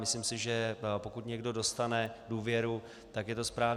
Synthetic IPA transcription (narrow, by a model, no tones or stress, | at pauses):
mɪslɪmsɪʒɛpo̞kut̪ɲɛɡdo̞do̞st̪anɛduːvjɛɾu | t̪akjɛt̪ospɾaːv